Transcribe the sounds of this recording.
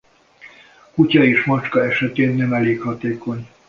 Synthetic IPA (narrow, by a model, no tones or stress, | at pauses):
kucɒeːʃmɒt͡ʃkɒɛʃɛt̪eːnːɛmɛleːkhɒt̪eːko̞ɲ